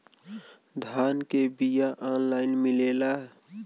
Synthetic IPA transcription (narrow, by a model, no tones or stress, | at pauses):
d̪ʱaːnkebijaʔaːnlaːɪnmɪleːlaɦɛ